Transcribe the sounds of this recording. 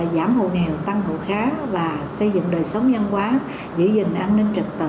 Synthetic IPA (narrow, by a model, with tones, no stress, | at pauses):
zaː˧˩mho̰˧˨ŋɛ˨˩wt̪a˧ŋo̰˧˨xaː˨˦vaː˨˩sə˧jzɨ̰˧˨ŋɗəː˨˩jsə˨˦wŋ͡mɲə˧nkwaː˨˦ | zɨ̰˧˩zï˨˩ŋ̟ʔaː˧nni˧ŋ̟t͡ɕə˨˩k̚t̪ɨ˨˩